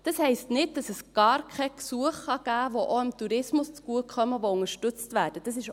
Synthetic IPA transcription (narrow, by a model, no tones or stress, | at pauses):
d̥ɑshɛɪstnɪd̚d̥ɑsəsɡ̥ɑːɾkʰɛksuəχχɑɡ̥æːʋoʔoɪmtuɾɪsmʊst͡sɡ̥uəkʰχœməʋoʊŋəʃtʏt͡stvæːɾd̥əd̥ɑsɪʃ